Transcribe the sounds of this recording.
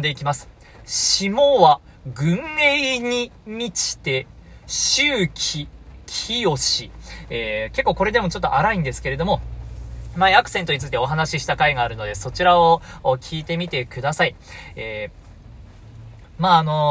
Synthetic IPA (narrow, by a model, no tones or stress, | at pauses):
d̪e̞ikʲimasɨ̥ | ɕimoβa | ɡɯ̟̃nːeiɲ̟imʲit͡ɕi̥t̪e̞ | ɕɨːkʲʰikʲʰijo̞ɕieke̞kːo̞ːko̞ɾe̞d̪e̞mo̞t͡ɕo̞t̪ːo̰ʔaɾaĩnd̪e̞sɨ̥ke̞ɾe̞d̪o̞mo̞ | maiakɯ̟̥se̞nt̪o̞ɲit͡sɨit̪e̞o̞ɦanaɕiɕi̥t̪akaiɡaːɾɯ̟no̞d̪e̞so̞t͡ɕiɾaokʲʰiːt̪e̞mʲit̪e̞kɯ̟d̪asaieː | maːno̞